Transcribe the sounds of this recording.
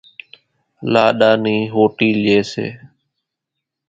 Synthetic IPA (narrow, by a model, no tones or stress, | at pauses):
laːɗaːniːɦoːʈiːeːsḛː